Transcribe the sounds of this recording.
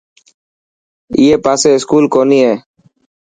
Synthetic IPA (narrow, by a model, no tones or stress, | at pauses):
iːeːpaːseːɪskuːlkoːniːɦeː